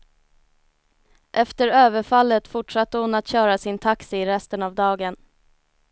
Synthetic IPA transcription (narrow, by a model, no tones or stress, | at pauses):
ʔɛft̪əɾøːvəɾfalːət̪fʊʈʂat̪ːəhʊnat̪ɕœːɾasɪnt̪ʰaksɪːɾɛst̪ənavd̪ɑːɡən